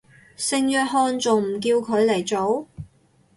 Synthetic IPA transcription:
sɪ˧ŋjœː˧t̚ɦɔː˧nt͡sʊ˨ŋm̩˨˩k̬iː˧wkʰɵ˨˧˥ɥlɐ˨˩jt͡so˨˥w

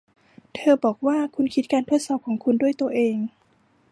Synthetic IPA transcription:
t̪ʰɤː˧bɔː˨˩k̚waː˥˩kʰu˧nkʰi˦˥t̪̚kaː˧nt̪ʰu˥ət̪̚sɔː˨˩p̚kʰɔː˩˦ŋkʰu˧ndu˥˩əjt̪u˧ɐʔeː˧ŋ

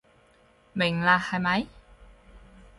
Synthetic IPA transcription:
mɪ˨˩ŋlaː˧hɐ˨˧jmɐ˨˧˥j

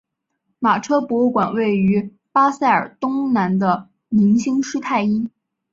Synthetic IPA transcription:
ma˨˩ʈ͡ʂʰɤ˥pwɔ˧˥kwa˨˩nwe˥˩ɪy˧˥ | pa˥sa˥˩ɪə̰˞˨˩t̪ʊ˥ŋna˧˥nd̪ə˧ | ni˧˥nɕi˥ŋʂɻ̩˥t̪ʰa˥˩ɪi˥

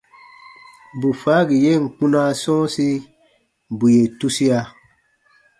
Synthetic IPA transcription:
bu˨fa˨˦ɡi˨je˦˨ŋ̩˨k͡pũ˦na˦sɔ̃ː˦si˦ | bu˨je˨tu˦si˦a˧

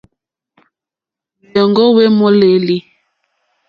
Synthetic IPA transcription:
jɛ˨ŋɡɔ˦we˦mɔ˦le˨li˦

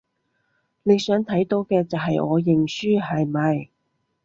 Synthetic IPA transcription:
le˨˧jsœː˨˥ŋt̪ʰɐ˨˥jt̪o˨˥wkɛː˧t͡sɐ˨˩wɦɐ˨jɔː˨˧jɪ˨˩ŋsyː˥hɐ˨jmɐ˨j

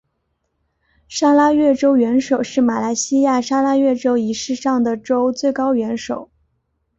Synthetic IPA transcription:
ʂa˥la˥ɥɛ˥˩ʈ͡ʂo˥ʊɥɛ˧˥nʂo˨˩ʊʂɻ̩˥˩ma˨˩la˧˥ɪɕi˥ja˥˩ʂa˥la˥ɥɛ˥˩ʈ͡ʂo˥ʊi˧˥ʂɻ̩˥˧ʂɑ˥˩ŋd̪ə˩ʈ͡ʂo˥ʊt͡swe˥˩ɪkɑ˥ʊɥɛ˧˥nʂo˨˩˦ʊ

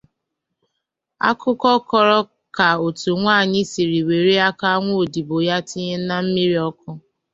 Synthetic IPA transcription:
a̰˦kʰʊ˦kɔ˦kɔ˦ɾɔ˦ | ka˨o˨tu˨ŋʷa˦˨ɲɪ˦si˨ɾi˨we˨ɾi˦a˦ka˦ŋʷo˦o˨di˨bo˨ja˦tɪ˦ɲe˦na˦m̩˦mi˦ɾi˦ɔ˦kʊ˦

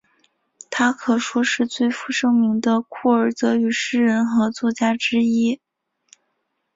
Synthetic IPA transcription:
t̪ʰa˥kʰɤ˨˩ʂwɔ˥ʂɻ̩˥˧t͡swe˥˩ɪfu˥˩ʂɤ˥ŋmi˧˥ŋd̪ə˧kʰu˥˩ə˞˨˩˥t͡sɤ˧˥y˨˩ʂɻ̩˥˩ɻə˧˥nxɤ˧˥t͡swɔ˥˩t͡ɕja˥ʈ͡ʂɻ̩˥i˥

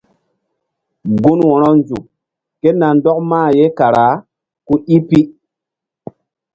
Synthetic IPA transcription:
ɡu˦nwɔ̃˨ɾɔ˦nd͡ʒṵ˨ | ke˦na˨ndɔ˦k̚maː˦˨je˦ka˨ɾa˨˦ | ku˦ʔi˦pi˦

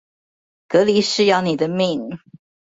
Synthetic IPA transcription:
kɤ˧˥li˧˥ʂɻ̩˥˧jɑ˥˩ʊni˨˩d̪ə˦mi˥˨˩ŋ

